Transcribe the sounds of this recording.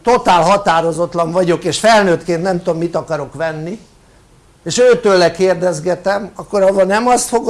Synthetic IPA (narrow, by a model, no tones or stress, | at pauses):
t̪o̞t̪aːlɦɒt̪aːɾo̞zot̪lɒɱvɒɟo̞keːʃfɛlnøːt̪keːnt̪nɛmt̪uommit̪ɒkɒɾo̞kʋɛnːi | eːʃøːt̪øːlːɛkeːrd̪ɛzɡɛt̪ɛmɒkːoɾɒbɒnɛmɒst̪fo̞ɡ